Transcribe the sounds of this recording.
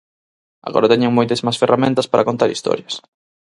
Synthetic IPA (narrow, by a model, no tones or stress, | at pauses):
a̰ɣɔ̰ɾɐt̪ɛɲeŋmojt̪ɐsmasferʔament̪ɐspaɾʔɐkont̪aɾist̪ɔ̰ɾjɐs